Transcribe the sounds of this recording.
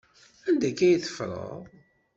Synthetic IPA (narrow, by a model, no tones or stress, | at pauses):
ænd̪ækːæjəθə̥fɾˤə̰